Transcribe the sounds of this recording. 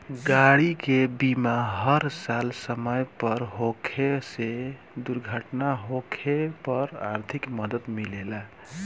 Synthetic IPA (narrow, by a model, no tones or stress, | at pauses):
ɡaɽikebimaɦəɾsalsəməjpəɾɦokʰese | d̪uɾɡʱəʈnaɦokʰepəɾa̰ɾt̪ʰikməd̪əd̪milela